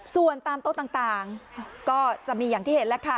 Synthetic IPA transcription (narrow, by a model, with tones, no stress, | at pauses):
su˨˩ənt̪aː˧mt̪o˥˩t̪aː˨˩ŋt̪aː˨˩ŋkɔː˥˩t͡ɕa˨˩ʔmiː˧jaː˨˩ŋt̪ʰiː˥˩he˩˦nlɛ˦˥kʰa˦˥˩